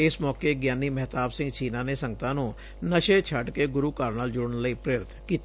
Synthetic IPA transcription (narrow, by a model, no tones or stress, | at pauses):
ɪsmɔːkeɡjaːnimɛɦt̪aːbsɪ̃ŋɡt͡ʃiːnanesə̃ŋɡət̪ãːnũ | nəʃet͡ʃʰəʈkeɡʊɾukaːɾnaːld͡ʒʊɽənləipɾeːɾɪt̪ʰkiːt̪ː